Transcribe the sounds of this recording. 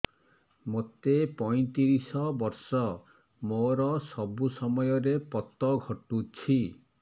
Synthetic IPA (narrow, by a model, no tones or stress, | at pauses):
mot̪epɔj̃t̪iɾisɔbɔɾsɔ | moɾɔsɔbusɔmɔjɔɾepɔt̪ɔɡʱɔʈut͡ʃʰi